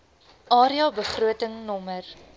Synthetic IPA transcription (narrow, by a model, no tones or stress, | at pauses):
ʔɑːɾiɑbəχruətəŋnɔmər